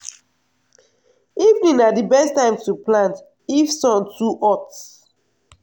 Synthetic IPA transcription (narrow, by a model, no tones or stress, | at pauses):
ivnĩŋadibɛstãɪ̃mtuplãnt | ifsɔ̃ntuʔɔts